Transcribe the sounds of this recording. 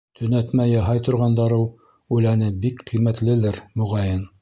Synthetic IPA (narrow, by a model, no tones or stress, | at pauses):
t̪ʰɵ̆næt̪mæjɑɦɑjt̪ŏɾʁɑnd̪ɑɾɤwˠ | ʉlænɘbikqijmæt̪lɘ̆lɘɾmŏʁɑjɤn